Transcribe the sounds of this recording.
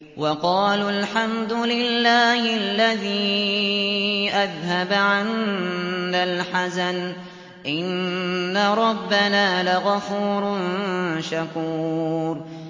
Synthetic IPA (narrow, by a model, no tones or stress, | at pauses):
wɑqɑːlalħamd̪ʊlɪlːaːhɪlːaðiː | ʔaðhabʕanː | alħasan | ʔɪnːaɾˤɑbːanaːlaɣafuːɾnʃakuːɾ